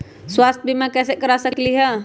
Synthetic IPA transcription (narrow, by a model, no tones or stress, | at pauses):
swaːst̪̚ʰbʱimãkɛːsekɐɾasəkkliɦɛː